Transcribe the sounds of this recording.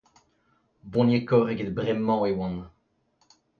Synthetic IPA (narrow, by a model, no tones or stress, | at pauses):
bɔ̃njekɔʁeɡet̪̚bʁɛmːɑ̃ewɑ̃n